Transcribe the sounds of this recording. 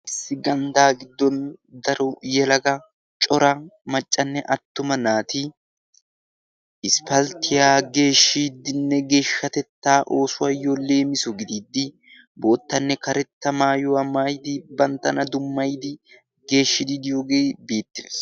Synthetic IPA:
ɪsːɪɡɐnd̪aːɡɪd̪ːɔnd̪ɐɾɔjɛlɐɡɐ | t͡ʃʼɔɾɐmɐt͡ʃʼːɐnːɛʔɐt̪ːʊmɐnaːt̪ɪ | ʔɪspɐlt̪ɪjaːɡe̞ːʃːiːd̪ɪnːɛɡe̞ːʃːɐt̪ɛt̪ːaːʔo̞ːsʊwaːjole̞ːmɪsɔɡɪd̪iːd̪ːɪ | bo̞ːt̪ːɐnːɛkɐɾɛt̪ːɐmaːjʊwamaːjd̪ɪbɐnt̪ːɐnɐd̪ʊmːɐjd̪ɪ | ɡe̞ːʃːɪd̪id̪ɪjoːɡe̞ːbeːt̪ːɪs

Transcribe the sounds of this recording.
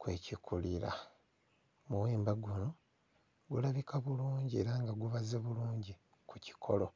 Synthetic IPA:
kwe̞cikʰuliɾa̰ | muweːmbaɡuno | ɡulaβikʰaβuluːɲɟie̞̰ːɾaːŋɡaɡuβazeβuluːɲɟi | kuci̥kʰo̞lo̞

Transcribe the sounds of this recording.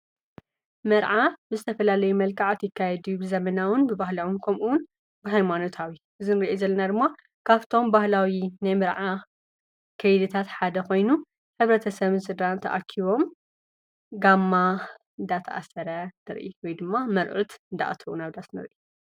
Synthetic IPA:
mɐɾʕabɨzɨt̪ʰɐfɐlalɐjumɐlkʼaʕat̪jɪkːajɛd̪ujubɨzɐmɐnawɨnbɨbahlawɨnkʰɐmʔuwʊn | bɨɦajmano̞t̪ʰawiʔɨzɨnɨɾiʔezɐlːɐnad̪ɨmːa | kʰaβt̪ʰo̞mbahlawinajmɐɾʕa | kʰɐjd̪ɨt̪ʰat̪ħad̪ɐko̞jnu | ħɨβɾɐt̪ʰɐsɐβɨnsɨd̪ant̪ʰɐ̰ʔakʰiβo̞m | ɡamːa | ɨnd̪at̪ʰɐʔa̰sɐɾɐnɨɾʔḭwɔjd̪ɨmːamɐɾʕut̪ɨnd̪a̰ʔt̪ʰuʔunaβd̪asnɨ̰ɾʔi

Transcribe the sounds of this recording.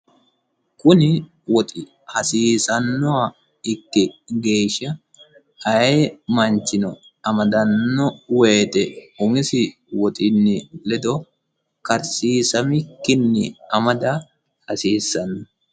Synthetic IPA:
kʊnɪ | wɔt̪ʼɪ | hɐsiːsɐnːɔa | ɪkːɪɡe̞ːʃːɐ | ɐjemɐnt͡ʃːɪnɔ | ɐmɐd̪ɐnːɔweːt̪ɛʊmɪsɪ | wɔt̪ʼɪnːɪlɛd̪ɔ | kɐɾsiːsɐmɪkːɪnːɪ̰ɐmɐd̪ɐ | hɐsiːsːɐnːɔ

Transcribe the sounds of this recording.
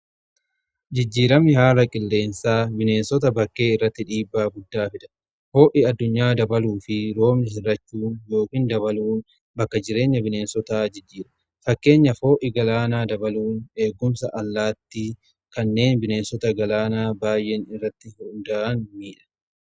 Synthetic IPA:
d͡ʒɪd͡ʒːiːɾɐmɪhaːɾɐkʼɪlːe̞ːnsaːbɪne̞ːnsɔt̪ɐbɐkːe̞ːɪrːɐt̪ːɪᶑiːbːaːɡʊd̪ːaːfɪᶑ̪ɐ̥ | fo̞ːʔɪɐd̪ːʊɲːaːd̪ɐbɐluːfɪɾo̞ːmnɪɦɪrːɐt͡ʃːuːnjo̞ːkiːnd̪ɐβɐluːn | bɐkːɐd͡ʒɪɾe̞ːɲːɐbɪne̞ːnsɔt̪aːd͡ʒɪd͡ʒːiːɾɐ̥ | fɐkːe̞ːɲːɐfo̞ːʔɪɡɐlaːnaːd̪ɐbɐluːne̞ːɡːʊmsɐʔɐlːaːt̪ːi | kɐnːe̞ːnbɪne̞ːnsɔt̪ɐɡɐlaːnaːbaːjʔɛnɪrːɐt̪ːɪhʊnd̪aʔɐnmiːᶑɐ̥

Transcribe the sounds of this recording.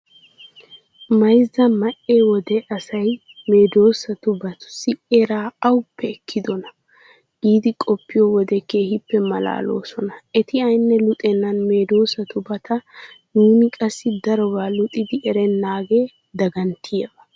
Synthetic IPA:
mɐjzːɐmɐʔeːwɔd̪ɛʔɐsɐj | me̞ːd̪o̞ːsɐt̪ʊbɐt̪ʊ̥sːɪeɾaːɐwʊpːɛːkʰːɪd̪ɔnɐ | ɡiːd̪ɪkʼɔpːɪjɔwɔd̪ɛkːeːhɪpːɛmɐla̰ːlo̰ːsɔnɐɛt̪ɪɐjnːɛlʊt̪ʼɛnːɐnme̞ːd̪o̞ːsɐt̪ʊbɐt̪ʰɐ | nuːnɪkʼɐsːɪd̪ɐɾɔwaːlʊt̪ʼɪd̪ɪʔɛɾɛnːaːɡeː | d̪ɐɡɐnt̪ɪjebɐ

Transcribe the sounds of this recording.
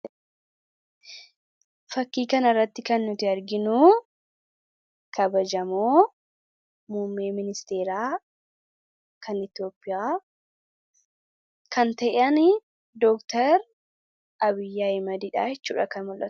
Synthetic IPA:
fɐkːiːkɐnɐrːɐt̪ːɪkɐnːʊt̪ɪɐɾɡɪnuː | kɐbɐd͡ʒɐmoː | muːmːeːmɪnɪst̪eːɾaː | kʰɐnɪt̪jo̞ːpːɪjaː | kɐnt̪ɐʔɪʔɐn | d̪ɔkt̪ɐɾ | ʔɐbɪjːaːɪmɐd̪iᶑa̰ːjɛt͡ʃːṵːᶑɐkɐnmʊlʔɐ̰t̪

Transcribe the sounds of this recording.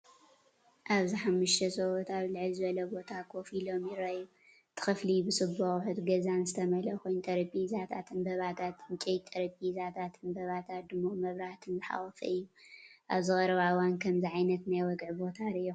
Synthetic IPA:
ʔaβziħamːɨʃt̪ʰɐsɐwɔt̪aβlɨʕɨlzɨβɐlɐbo̞t̪ʰakʰo̞filo̞mjɪrɐju | t̪ʰɨ̥xɨflibɨsɨboxħɨt̪ɡɐzanzɨt̪ʰɐmɐlɐkʰojnt̪ʼɐɾɐpʼizat̪ʰat̪ʰɨnbɐβat̪ʰat̪ɨnt͡ʃʼɛjt̪ʼɐɾɐpʼizat̪ʰat̪ʰɨnbɐβat̪ʰat̪̚d̪ɨmːomɐβɾaht̪ʰɨnzɨħa̰wɔfɐ̰ɨjːuʔaβzɨxʼɐɾɐβawankʰɐmziʕajnɐt̪najwɔɡʕbo̞t̪ʰaɾɨːo

